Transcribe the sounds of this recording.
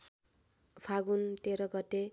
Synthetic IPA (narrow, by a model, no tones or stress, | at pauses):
pʰaɡunt̪eɾʌɡʌt̪e